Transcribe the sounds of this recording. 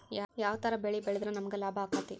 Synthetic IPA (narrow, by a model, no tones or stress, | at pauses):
jajaːʋɐt̪ɐɾɐbeɭibɛɭed̪ɾɐnɐmɐɡelaːbʱɐːkat̪ːi